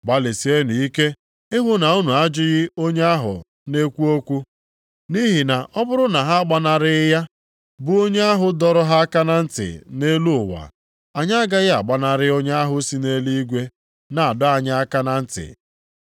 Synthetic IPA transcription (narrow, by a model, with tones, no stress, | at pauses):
ba˦le˨si˨˦e˦nu˨i˦ke˦ | ɪ˦ɦʊ˦na˨u˦nu˨a˦d͡ʒɪ˦ɣɪ˦o˦ɲe˦a˦ɦʊ̰˨ | ne˦kʷu˦o˦kʷu˦ | ni˦ɦi˨na˨ʔɔ˦bʊ˦ɾʊ˦na˨ɦa˦a˦ɡ͡ba˦na˨ɾɪ˦ja˦ | bʊ˨o˦ɲe˦a˦ɦʊ˨dɔ˦ɾɔ˦ɦa˦a˦ka˦na˦n̩˦tɪ̰˨ne˦lu˦ʊ˨wa̰˨ | a˨ɲa˦ɡa˦ɣɪ˦a˨ɡ͡ba˦na˨ɾɪ˦o˦ɲa˦a˦ɦʊ˦si˦ne˦li˦i˦ɡʷe˦ | na˨a˨dʊ˦a˨ɲa˦a˦ka˦na˦n̩˦tɪ̰˨